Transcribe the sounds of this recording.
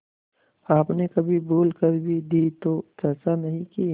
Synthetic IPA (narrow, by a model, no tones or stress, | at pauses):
aːpnekɐbʱiboːlkəɾbʱid̪iːt̪otɐːsanɐɦĩki